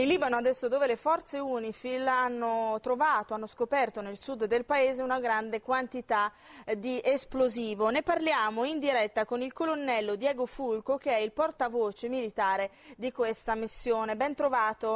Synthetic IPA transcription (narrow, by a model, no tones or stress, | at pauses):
inliːbanoad̪ɛsːod̪oːvelefɔrt̪seuːnifilanːot̪ɾovaːt̪oanːoskopɛrt̪onelsud̪d̪elpaeːzeunaɡɾand̪ekwant̪it̪a | d̪iʔesploziːvoneparljaːmoind̪iɾɛt̪ːakonilkolonːɛlːod̪jɛːɡofulkok̟eɛilport̪avoːt͡ʃemilit̪aːɾe | d̪ikwest̪amisːjoːnebɛnt̪ɾovaːt̪o